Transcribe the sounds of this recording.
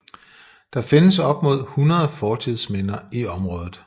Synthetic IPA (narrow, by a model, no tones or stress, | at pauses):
d̥ɑ̈fe̝nəsɒ̽b̥mo̝ð̞̰ˠhunɐðˠfɒːt͡sʰið̞̰ˠsmenɐiɒ̽mʁɔ̽ːðˠð̩ˠ